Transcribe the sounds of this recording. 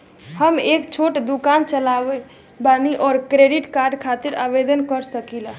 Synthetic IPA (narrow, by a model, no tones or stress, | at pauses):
həmekt͡ʃʰoʈd̪ukant͡ʃəlaʋe | baniʔɔːɾkɾeɖiʈkaɾɖkʰat̪iɾabed̪ənkəɾsəkila